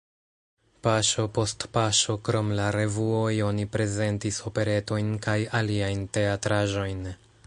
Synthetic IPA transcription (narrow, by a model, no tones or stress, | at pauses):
paʃo̞po̞stpaʃo̞kɾo̞mlaɾe̞vuo̞jo̞nipɾe̞ze̞ntiso̞pe̞ɾe̞to̞jnkajaliajnte̞atɾaʒo̞jn